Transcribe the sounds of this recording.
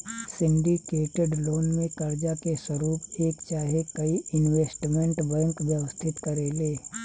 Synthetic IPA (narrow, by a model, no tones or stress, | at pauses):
sɪ̃ɳɖikeːʈeɖloːnmẽkɐɾd͡ʒakeswɐɾuːpeːkt͡ʃaːɦekɐiɪnweːsʈmẽɳʈbɛ̃ːŋkʋjəwəst̪ʰɪt̪kɐɾeːleː